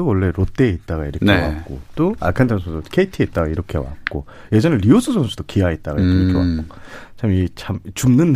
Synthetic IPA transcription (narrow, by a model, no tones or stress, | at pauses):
owʌɭːe̞ɾot͈eːit̚t͈aɡaiɾʌnkewa̰k͈o̰t͈oa̰ɭkʰandʰaŋsʰodokʰeitʰiet̚t͈aɡaiɾʌkʰe̞̰wa̰k̚k͈o | je̞d͡ʑʌnɯɾiosʰɯsʌŋsʰu̥d̥okiait̚t͈aɡaikʰiʌkʰewa̰kk͈ot͡ɕamit͡ɕamt͡ɕumnɯn